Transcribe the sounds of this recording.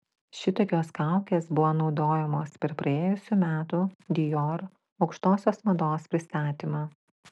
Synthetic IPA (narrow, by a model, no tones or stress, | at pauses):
ʃʲɪt̪oːkʲoːskɑˑʊkʲeːsbʊʋoːnɒʊd̪oːjɛmoːspʲɛɾpɾɐeːjʊsʲuːmʲæːt̪uːd̪ʲɪjoːɾ | ɒʊkʃt̪oːsʲoːsmɐd̪oːspʲɾʲɪst̪ɑːt̪ʲiːmɑː